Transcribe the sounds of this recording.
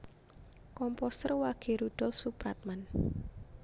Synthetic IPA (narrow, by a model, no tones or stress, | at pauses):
kɔmpɔst̪ərwaɡ̥e̤ɾud̪̥ɔlfsupɾat̪̚man